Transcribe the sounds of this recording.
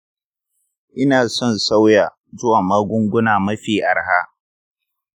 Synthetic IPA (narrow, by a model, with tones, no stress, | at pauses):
ʔɪ˦naː˨sɔ˦˨nsa˦wja˨ | zʊ˦wa˨ma˦ɡʷʊ˦ŋɡʷʊ˦naː˨mɐ˦ɸiː˦˨ʔa˨ɾɦa˦